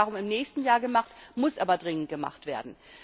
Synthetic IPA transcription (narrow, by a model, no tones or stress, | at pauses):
aʁʊmɪmnɛːçstn̩jaːɐɡəmaχtmʊsʔaːbɐdʁɪŋəntɡ̥əma̰χtv̥ḛːɐdn̩